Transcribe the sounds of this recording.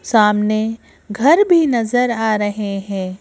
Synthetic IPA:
saːmne | ɡʱɐɾbʱinɐzəɾaːɾɐɦeɦɛ̃ː

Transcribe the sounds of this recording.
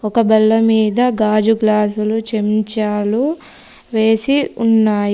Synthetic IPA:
ɔkɐbɐlːɐmiːd̪ɐɡaːd͡ʒuɡlaːsulut͡ʃemt͡ʃaːlu | ʋe̞ːsiunːaːj

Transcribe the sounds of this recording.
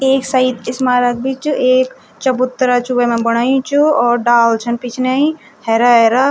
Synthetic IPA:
eːksɐit̪ɪsmaːɾɐk̚bʱit͡ʃueːk | t͡ʃɐbut̪ːɾat͡ʃʰuemẽbɐɽ̃aːjũt͡ʃʰuɔːɾɖaːlt͡ʃʰɐnpit͡ʃʰneĩ | hɛɾaeɾa

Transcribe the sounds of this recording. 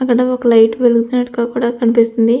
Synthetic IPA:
ɐkːɐɽɐɔkɐlɐjʈʋeluɡut̪unːɐʈːukaːkuːɽaːkɐnipist̪und̪i

